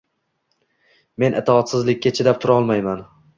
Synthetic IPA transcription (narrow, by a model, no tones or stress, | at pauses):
me̞nʔɪt̪ʰɪɒt̪sɪzlɪkʲːat͡ʃʰɪd̪ap̚t̪ʰʊɾaɒlˠmajman